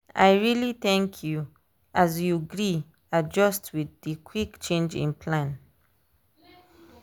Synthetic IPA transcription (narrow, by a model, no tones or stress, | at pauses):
a̰jɹiliθɛ̃ŋkʰju | azjuɡɹi | ad͡ʒʌstʰwidikʰwikt͡ʃẽnd͡ʒḭ̃npʰlãn